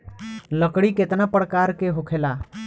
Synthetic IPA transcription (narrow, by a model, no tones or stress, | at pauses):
ləkɽiket̪napəɽkaɾkeɦokʰela